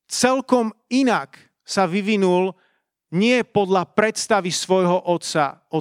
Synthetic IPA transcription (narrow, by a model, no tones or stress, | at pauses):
t͡sɛlkɔminak | saʋiʋinul | ɲɪɛpɔd̪ʎapɾɛt̪st̪aʋisʋɔjɦɔʔɔt̪sa̰ɔ